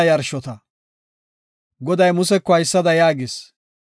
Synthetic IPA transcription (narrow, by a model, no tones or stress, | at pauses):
jɐɾʃɔt̪ɐ | ɡɔd̪ɐjmʊsɛkːɔɐjɪsːɐd̪ɐjaːɡɪs